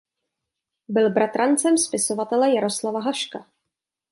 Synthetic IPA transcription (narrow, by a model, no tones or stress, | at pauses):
bɪlbɾat̪ɾant͡sɛmspɪso̞vat̪ɛlɛjaɾo̞slavaɦaʃka